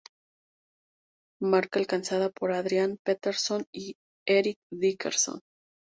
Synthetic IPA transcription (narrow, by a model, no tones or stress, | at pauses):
maɾkaːlkansaðapo̞ɾaðɾjanpet̪eɾso̞ni | eɾik̚ðikḛɾso̰n